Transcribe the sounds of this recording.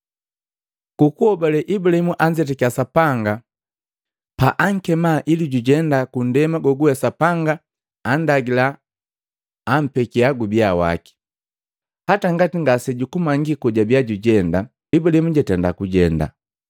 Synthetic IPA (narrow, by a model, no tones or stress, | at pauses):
kukuɔbalɛʔibulahimuʔaɲd͡ʒɛt̬ɛkiasapaŋɡa | paʔaŋ̩kɛmaʔiliɟuɟɛndakun̩dɛmaɡɔɡuɛsapaŋɡaː | ndaɡila | m̩pɛkiaɡubiawa̰ki̥ | hataŋɡatiŋɡasɛɟukumaŋɡikɔɟabiaɟuɟɛnda | ibulahimuɟatɛndakuɟɛnda̰